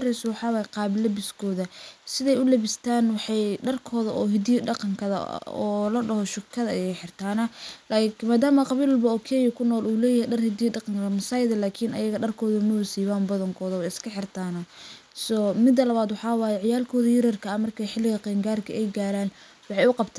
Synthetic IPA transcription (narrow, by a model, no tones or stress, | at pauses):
rɛswɑħɑːwaːjɛqɑːβɪlɐbɪskʰɔːðɐsɪðɛjʊlɐβɪst̪ʰaːnwɑħɑjɖɐrkʰɔːðɐʔɔːɦɪd̪iɖɑqɑŋkʰɐðɐ̰ɔ̰ːlɐɖɐɦɔʃʊkʰːɐðɐɐjɛjħɪrt̪ʰaːnɐlamaːd̪aːmɐqɑβiːlbɐɔkʰɛːjɐkʰʊnɔːluːlɛːjɐhɛjɖɐrhɪd̪iːɖɑqɑŋkʰɐmɐsɑːjðɐlaːkʰɪnɐ̰jɐɣɐɖɐrkʰɔːðɐmʊsiːβaːnbɐðɐŋkʰɔːðɐwɛjɪskʰɐħɪrt̪ʰaːnɐ | sɔmɪd̪ːɐlɐβaːd̪wɑħɑːwaːjɛʕɪjaːlkʰɔːðɐjɪɾɐrkʰɐɐmɐrkʰɐħɪlɪɣɐqɛːŋɡaːrkʰɐʔɛjɡaːɾaːn | wɑħɑjʊqɑbt̪ʰaːn